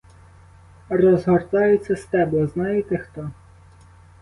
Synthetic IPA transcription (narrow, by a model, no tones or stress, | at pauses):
rɔzɦɔrt̪ɑjʊt͡sʲːɐst̪ɛbɔznɑjet̪ext̪ɔ